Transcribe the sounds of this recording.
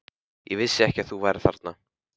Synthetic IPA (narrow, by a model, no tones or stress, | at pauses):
jɛ̰vɪsːɪɛhcaθuvajɾɪθa̰ɾt̪̚na